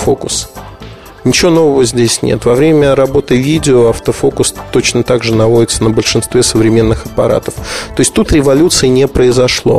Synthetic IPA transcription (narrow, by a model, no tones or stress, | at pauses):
fo̞kʊs | nʲɪt͡ɕɪvo̞no̞vəvəzʲdʲesʲnʲḛt̪vɐvɾʲemʲəɾɐbo̞t̪ɨvʲidʲɪoɐft̪əfo̞kʊst̪o̞t͡ɕnət̪aɡʐɨnɐvoɪt̪sənəbəlʲʂɨnst̪vʲesəvɾʲɪmʲe̞nːɨxɐpɐɾa̰t̪əft̪o̞ɪsʲtʲt̪ut̪ɾʲɪvɐlʲut̪sɨɪnʲepɾəɪzɐʂlˠo̞̰